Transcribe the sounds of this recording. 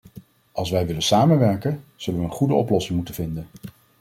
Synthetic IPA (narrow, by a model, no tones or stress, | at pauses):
ʔɑlˠsʋɛjʋɪlənsaːmənʋɛɹkənz̥ɵlənʋəənχudəɔplɔsɪŋmutənvɪndən